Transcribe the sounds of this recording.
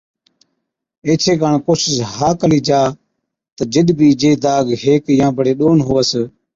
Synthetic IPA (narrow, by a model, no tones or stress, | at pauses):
eːt͡ʃʰeːkaːɳkoːsɪsɦaːkəliːd͡ʒaː | t̪əd͡ʒɪɗbiːd͡ʒeːd̪aːɡɦeːkjãːbʱəɽeːɗoːnɦoʋəs